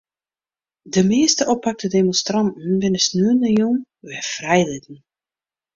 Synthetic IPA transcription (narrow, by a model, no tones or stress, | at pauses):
dəmeːstəʔɔpːak̚tədemɔ̃nstrɑntn̩bɪnəsnyənəjun | ʋɛfrɛjlɪtn̩